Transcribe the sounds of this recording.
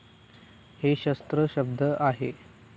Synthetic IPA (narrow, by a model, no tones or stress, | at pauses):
heɕəst̪ɾəɕəb̚d̪ʱəʔaɦḛ